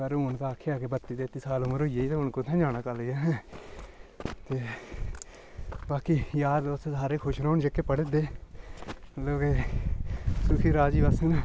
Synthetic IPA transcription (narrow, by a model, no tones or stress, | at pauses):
kəɾʊnt̪ãːkʰeaːkeːbət̪ːid̪eːt̪ːiːsaːlʊməɾoːijeːiːt̪ːɦʊnkõt̪ʰɛ̃ːd͡ʒaːñaːkəleːɛːɦ | t̪eː | baːkiːjaːd̪ʊt̪ʰːesaːɾeːkʰʊʃɾoːnd͡ʒekːeːpəɽed̪eː | loːkeː | sʊkʰiːɾaːd͡ʒiːbəsnː